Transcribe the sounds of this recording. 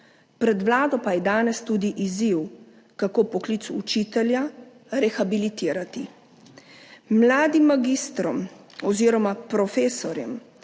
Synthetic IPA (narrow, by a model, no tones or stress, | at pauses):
pɾɛd̪ʋlaːd̪ɔpajɛd̪aːnɛst̪ud̪iʔiziw | kakoːpɔkliːt̪sut͡ʃiːt̪ɛlja | ɾɛxabilit̪iːɾat̪i | mlaːd̪imːaɡist̪ɾɔm | ɔziːɾɔmapɾɔfeːsɔɾjɛm